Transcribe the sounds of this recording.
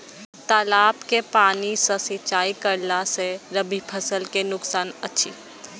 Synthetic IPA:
t̪aːlaːbkepaːnisɐsɪt͡ʃaːikəɾlaseɾɐbʱipʰɐsəlkenʊksaːnɐtːʃʰḭː

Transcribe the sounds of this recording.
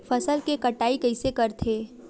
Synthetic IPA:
fʰɐsəlkekɐʈaːikɐɪsekɐɾt̪ʰeː

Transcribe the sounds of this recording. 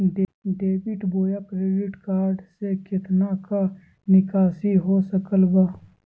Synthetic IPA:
ɖeːbɪʈboːjakɾeːɖɪʈkaːɾɖsekʰɪt̪naka | nɪkaːsiɦosəkəlbaː

